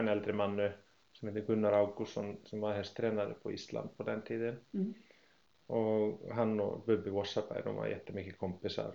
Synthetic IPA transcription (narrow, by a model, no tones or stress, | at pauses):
nɛlt̪ɾɪmanːʏ | sɛmhɛt̪ɪkʏnːaɾawkusɔnsɛmvaðhɛnst̪ʰːɾɛːnaɾɪ̰pʰɔist̪la̰nt̪̚pʰɔt̪ɛnt̪ʰiːðɪn | ɔɣɦanːɔ̰ɣpʏpːɪvɔsːapa̰j̰nṵma̰ðjɛ̰ht̪ːɪmɪːhcɪkʰɔmpɪsa̰ɾ̥